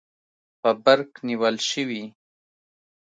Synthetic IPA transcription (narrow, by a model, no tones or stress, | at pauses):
pəbaɾkniwəlʃəwi